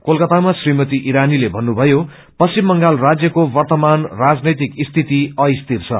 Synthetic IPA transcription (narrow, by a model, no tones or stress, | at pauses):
kolkʌt̪amasrimʌt̪iʔiɾanilebʱʌnːubʱʌjo | pʌsimːʌŋɡalrad͡zjʌkobʌrt̪ʌmanrad͡znʌjt̪ikist̪ʰit̪iʌjst̪irt͡sʰʌ̰